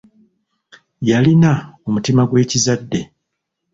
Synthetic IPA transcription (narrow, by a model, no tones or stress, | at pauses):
jalinaomutimaɡwe̞ːcizadːe̞